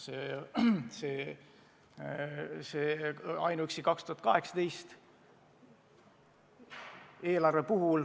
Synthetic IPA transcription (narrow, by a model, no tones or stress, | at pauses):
se | se | seːɑjnuyksikɑkst̪uhɑt̪kɑɦe̞ksɑ̥t̪e̞jst̪ | e̞ːlɑrve̞puɦul